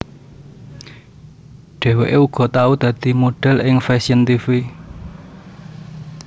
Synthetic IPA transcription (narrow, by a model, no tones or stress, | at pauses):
ɖ̥ɛ̤weʔeuɡ̥ɔ̤t̪aud̪̥ä̤d̪̥i̤moɖ̥ɛ̤lʔɪŋfɛsiənt̪ifi